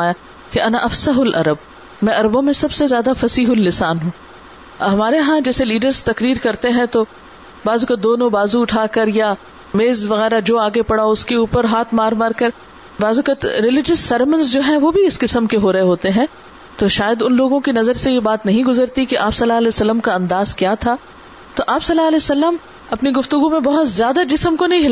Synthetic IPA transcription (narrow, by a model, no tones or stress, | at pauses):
aːja | keʔɐnaʔɐfsɐɦʊlʔɐ̰ɾəb̚ | mɛ̃ːʔɐɾbõmẽsɐbsezjaːd̪afɐsiːɦʊlːɪsaːnɦũː | ɦɐmaːɾeɦãd͡ʒɛːseliːɖəɾzt̪ɐkɾiːɾkɐɾt̪eɦɛ̃t̪o | baːzukad̪oːnõbaːzuʊʈʰaːkɐɾja | meːzʋɐɣɛːɾad͡ʒoːaːɡepɐɽaoʊskeuːpəɾɦaːt̪ʰmaːɾmaːɾkɐɾ | baːzukɐt̪ɾɪlɪd͡ʒəsːɐɾmə̃nsd͡ʒoːɦɛ̃ʋobʱiɪskɪsəmkeɦoːɾɐɦeɦoːt̪eɦɛ̃ | t̪oːʃaːjəd̪ʊnloːɡõkinɐzəɾsejebaːt̪nɐɦĩɡʊzəɾt̪ikiʔaːpsɐlːaɐlɛːsɐlːəmkaɐ̃nd̪aːzkjaːt̪ʰaː | t̪oʔaːpsɐlːaɐlɛːjsɐlːəm | ɐpniɡʊft̪ʊɡumẽbɐɦʊt̪zjaːd̪ad͡ʒɪsəmkonɐɦĩɦɪla